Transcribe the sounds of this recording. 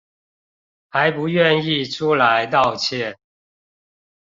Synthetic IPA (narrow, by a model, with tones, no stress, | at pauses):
xa˨˦ɪpu˨˦ɥɛ˥˨ni˥˨ʈ͡ʂʰu˥˦la˨˦ɪt̪̬ɑ˥˨ʊt͡ɕʰjɛ˥˨n